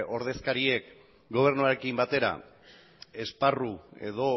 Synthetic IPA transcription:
o̞ɾðe̞skaɾie̞k | ɡo̞β̞e̞rnuaɾekimbat̪e̞ɾa̰ | e̞sparue̞̰ðo̞

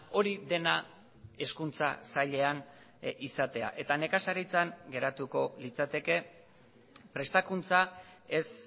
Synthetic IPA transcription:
o̞ɾiðe̞na | e̞skunt͡sa̰saʎe̞an | isat̪e̞a̰ʔe̞t̪ane̞kasaɾit͡saŋɡe̞ɾat̪uko̞lit͡sat̪e̞ke̞ | pɾe̞st̪akunt͡sae̞s

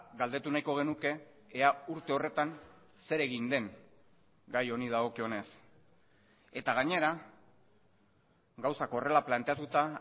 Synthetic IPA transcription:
ɡald̪e̞t̪unajko̞ɣ̞e̞nuke̞ːauɾt̪e̞o̞re̞t̪an | se̞ɾe̞ɣind̪e̞ŋ | ɡajo̞nið̞aɣo̞kio̞ne̞s | e̞t̪aɣ̞aɲe̞ɾa | ɡawsakore̞laplant̪e̞at̪ut̪a

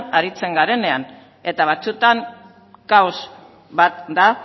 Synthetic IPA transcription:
aɾit͡se̞ŋɡaɾe̞ne̞an | e̞t̪aβ̞at͡sut̪aŋ | kawz | bat̪d̪a

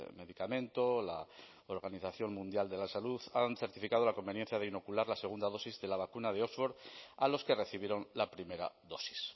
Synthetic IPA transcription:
me̞ðikamẽ̞nt̪o̞la | oɾɣaniθaθjo̞ŋmũnd̪jald̪e̞lasaluθanθeɾt̪ifikað̞o̞lako̞mbe̞njen̟θjað̞eino̞kulaɾlase̞ɣ̞und̪aðo̞sizðe̞laβ̞akunað̞e̞ozwoɾalo̞ske̞re̞θiβ̞jeɾo̞nlapɾime̞ɾa̰ðo̞si̥s

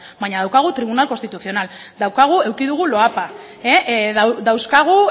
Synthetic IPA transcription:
baɲaðawkaɣ̞ut̪ɾiβ̞unalkost̪it̪uθio̞nal | d̪awkaɣ̞ue̞wkiðuɣ̞ulo̞apa | eðd̪awskaɣ̞u

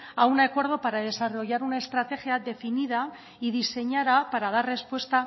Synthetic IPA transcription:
aunakwe̞ɾð̞o̞paɾað̞e̞saro̞ʝaɾunae̞st̪ɾat̪e̞xjaðe̞finið̞a | iðise̞ɲaðapaɾað̞arre̞spwe̞st̪a

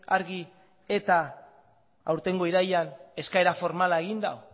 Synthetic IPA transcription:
aɾɣi | e̞t̪a | awɾt̪e̞ŋɡo̞iɾajane̞skaeɾafo̞ɾmalae̞ɣind̪a̰w

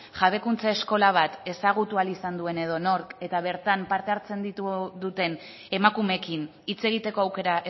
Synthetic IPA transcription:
ʝaβe̞kunt͡sae̞sko̞laβ̞at̪e̞saɣ̞ut̪ualisand̪ue̞ne̞ð̞o̞no̞ɾke̞t̪aβ̞e̞ɾt̪ampaɾt̪e̞aɾt͡se̞nd̪it̪uðut̪e̞n | e̞makume̞kin | it͡se̞ɣ̞it̪e̞ko̞awke̞ɾaʔe

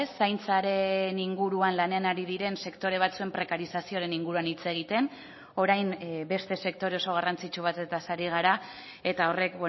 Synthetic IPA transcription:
sajnt͡saɾe̞niŋɡuɾuanlane̞anaɾiðiɾe̞nse̞kt̪o̞ɾe̞βat͡sue̞mpɾe̞kaɾisasio̞aɾe̞niŋɡuɾuanit͡se̞ɣ̞it̪e̞n | o̞ɾajmbe̞st̪e̞se̞k̚t̪o̞ɾe̞oso̞ɣ̞arant͡sit͡ʃuβ̞at̪e̞t̪asaɾiɣ̞aɾa | e̞t̪ao̞re̞kbe

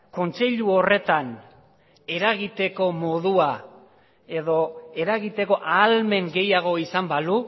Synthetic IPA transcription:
ko̞nt͡se̞ʎuo̞re̞t̪an | e̞ɾaɣit̪e̞ko̞mo̞ðua | e̞ðo̞e̞ɾaɣit̪e̞ko̞ʔaːlme̞ŋɡe̞jaɣ̞o̞isambalu

